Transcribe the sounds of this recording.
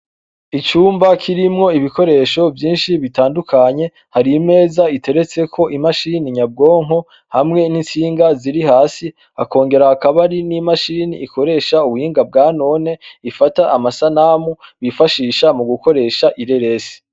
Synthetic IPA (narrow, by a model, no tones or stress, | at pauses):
it͡ʃuːmbakʰiɾimŋo̞iβiko̞ɾe̞ːʃo̞vjiːnʃiβitaːndukʰaɲe̞ | haɾime̞ːzaitʰe̞ɾe̞t͡se̞kʰo̞ʔimaʃiniɲab̚ɡo̞ːŋ̥ɦo̞ | hamŋe̞nint͡siːŋɡaziɾihaːsi | a̰ko̞ːŋɡe̞ɾaːkaβaɾinimaʃinḭːko̞ɾe̞ːʃauβuhiːŋɡab̚ɡaːno̞ne̞ifataʔamasanaːmuβifaʃiːʃamuɡuko̞ɾe̞ʃaʔiɾe̞ɾe̞si̥